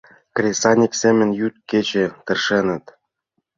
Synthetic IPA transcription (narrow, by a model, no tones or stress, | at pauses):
krʲesɑnʲiksemʲɘ̆nʲjyt̪̚ket͡ɕĕt̪ɘ̆rʃĕnə̆t̪